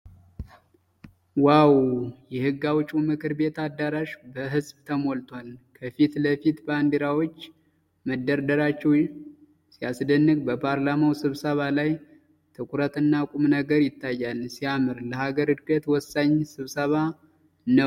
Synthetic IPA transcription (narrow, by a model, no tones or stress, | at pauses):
wawjɛhɨɡːawt͡ʃʼːumɨkʰɨɾbe̞t̪ad̪ːaɾaʃbəɦɨzbt̪ʰəmolt̪ʰwalkʰəfit̪ləfit̪band̪eɾawot͡ʃː | məd̪ːəɾd̪əɾat͡ʃːɛwj | siasd̪ənːɨɡbəpʰaɾlamawsɨβsəβalaj | t̪ʰɨkʷʰuɾət̪ɨnːakʼumnəɡəɾjɪt̪ːajːalsiamɨɾləhaɡəɾɨd̪kʼət̪wɔsːaɲsɨβsəβa | nəw